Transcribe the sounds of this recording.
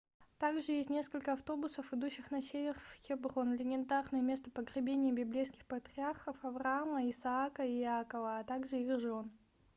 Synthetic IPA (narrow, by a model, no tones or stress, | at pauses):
t̪aɡʐɨjesʲtʲnʲe̞skəlʲkəɐft̪o̞bʊsəfɨd̪uɕːɪxnɐsʲevʲɪrfxʲɪbronlʲɪnʲɪnt̪arnəjəmʲe̞st̪əpəɡɾʲɪbʲenʲɪjəbʲɪblʲejskʲɪxpət̪ɾʲɪarxəfɐvrɐaməɪsaakəiakəvəːt̪aɡʐɨiɣʐon